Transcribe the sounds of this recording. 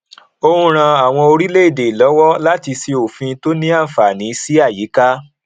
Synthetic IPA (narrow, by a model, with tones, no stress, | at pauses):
o˧hũ˧ɾ̃ã˧a˨w̃ɔ̃˧o˧ɾi˦le˦i˦˨de˨lɔ˨˦wɔ˦la˦ti˧si˧o˨fĩ˧to˦nĩ˦a˦˨fa˨nĩ˨˦si˦a˦˨ji˨˦ka˦